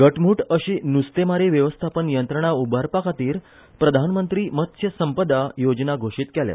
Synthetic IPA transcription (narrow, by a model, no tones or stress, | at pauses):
ɡəʈm̤uːʈəɕiːnust̪emaɾiʋjəʋəst̪ʰapənjənt̪ɾəɳ̃aubʱaɾpakʰat̪iːɾ | pɾəd̪ʱanmənt̪ɾiːmət̪ɕʰjəsəmpəd̪ajod͡znaɡʱoʂiːt̪kɛlja̰